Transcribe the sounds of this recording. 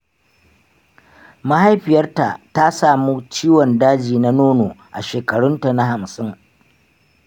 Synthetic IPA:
ma˦ha˦jɸɪ˨jɐ˦rta˨ʔta˦saː˨muː˦t͡ʃiː˦wɔ˨ndaː˦d͡ʒiː˨na˦noː˦noː˨ʔa˨ʃeː˨kɐ˨ɽʊ˦nta˨na˦ha˨msɪ˦ŋ

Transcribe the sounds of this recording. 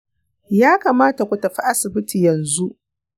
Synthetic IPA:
jaː˦kaː˨maː˦ta˨kʷʊ˨tɐ˨ɸi˦ʔa˦sɪ˨bɪ˦ti˨jɐ˨nzu˦ʔ

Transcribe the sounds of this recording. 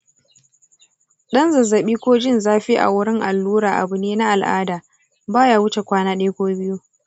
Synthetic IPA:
ɗɐ˦nzɐ˨zɐ˨ɓiː˦kʷoː˦d͡ʒɪ˦˨nzaː˦ɸi˦ʔa̰˨wʊ˦ɽɪ˦ŋʔa̰˨lːuː˦ɾaː˨ʔa̰˨bʊ˨neː˦na˦ʔa˨lʔa̰ː˦daː˨ | baː˦jaː˦wʊ˦t͡ʃe˨kʷaː˦naː˦ɗeː˦kʷoː˦bɪ˦ju˦

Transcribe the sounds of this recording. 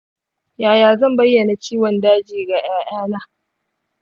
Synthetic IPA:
jaː˨jaː˨zɐ˦˨mbɐ˦jːɐ˨na˨t͡ʃiː˦wɔ˨ndaː˦d͡ʒiː˨ɡa˨ʔaː˦ʔaː˦naː˦

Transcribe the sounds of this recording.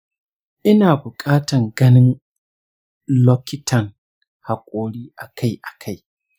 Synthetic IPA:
ʔɪ˦naː˨bʊ˨kʼaː˦tɐ˨ŋɡɐ˦nɪ˦n | lɔː˦kʲɪ˦tʰɐ˨ŋ | ha˨kʷʼoː˦ɽiː˦ʔa˨kʰa˦jʔa˨kʰa˦j

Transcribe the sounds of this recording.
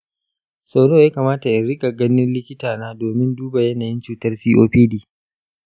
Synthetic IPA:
sa˨wɽo˦jaː˦kaː˨maː˦ta˨ʔɪ˨nɾɪ˦kʼa˨ɡɐ˦nɪ˦nlɪ˦kʲɪ˦taː˨naː˦doː˨mɪ˦nduː˦ba˨jɐ˦naː˨jɪ˦nt͡ʃuː˨tɐ˦rsiː˦ʔoː˦ɸiː˦diː˨

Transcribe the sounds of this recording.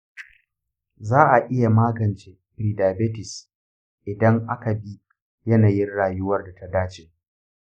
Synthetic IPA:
zaː˦ʔa˨ʔɪ˦ja˨maː˦ɡɐ˨nt͡ʃeː˨bɾiː˨daː˨be˦tɪ˨s | ʔɪ˨dɐ˦ŋʔa˦ka˨bi˦ | jɐ˦naː˨jɪ˦nɽaː˨jʊ˦wɐ˦rda˨ta˦daː˦t͡ʃeː˨

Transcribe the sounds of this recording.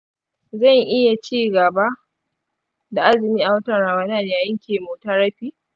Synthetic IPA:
zɐ˦˨ŋʔɪ˦ja˨t͡ʃiː˦ɡɐ˨ba˦ | da˨ʔa˦zɪ˨miː˦ʔa˨wɐ˦tɐ˦˨ɽa˨wɐ˦nɐ˦˨n˨jaː˨jɪ˦ŋkʲʰeː˨moː˨ta˦ɾɐ˦ɸiː˦

